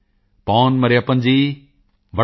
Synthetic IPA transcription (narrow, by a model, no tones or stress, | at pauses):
paːnmɐɾeɐpənd͡ʑiː | ʋɐ